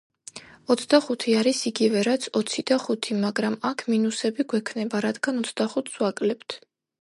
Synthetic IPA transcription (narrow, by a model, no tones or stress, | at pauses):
ɔt̪sʰd̪aχut̪ʰiaɾisiɡivɛɾat̪sʰɔt̪sʰid̪aχut̪ʰimaɡɾamakʰminusɛbiɡwɛkʰnɛbaɾad̪ɡanɔt̪sʰd̪aχut̪ʰswakʼlɛpt̪ʰ